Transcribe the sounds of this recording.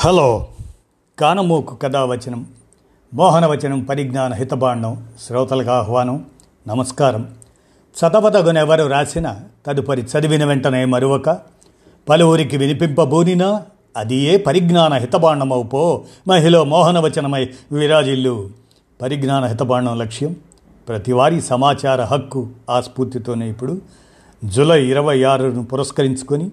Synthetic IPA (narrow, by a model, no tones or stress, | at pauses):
hɐloː | kaːnɐmoːku̥kɐd̪aːʋɐt͡ʃɐnɐmː | ɔːɦɐnɐʋɐt͡ʃɐnɐmpɐɾiɡnaːnɐɦit̪ɐbaːɳɖɐmʃɾɐːt̪ɐlɐɡaːɦʋaːnɐm | nɐmɐskaːɾɐm | t͡ʃɐt̪ɐbɐd̪ɐɡunɛʋɐɾuɾaːsinɐt̪ɐd̪upɐɾit͡ʃɐd̪iʋinɐʋɛɳʈɐnɐjmɐɾuʋɐkɐ | pɐluʋuɾikiʋinipimpɐbuːninɐ | ɐd̪ije̞ːpɐɾiɡnaːnɐɦit̪ɐbaːɳːɐmɐwupoːmɐɦiloːmɔːɦɐnɐʋɐt͡ʃɐnɐmɐjʋʋiɾaːd͡ʒilːuː | pɐɾiɡnaːnɐɦit̪ɐbaːɳɐmlɐkʂjɐm | pɾɐt̪iʋaːɾisɐmaːt͡ʃaːɾɐɦɐkːuaːspuːɾt̪it̪oːneːipːuɽu | d͡ʒulɐjiɾɐʋɐjaːɾunupuɾɐskɐɾiɲt͡ʃu̥koni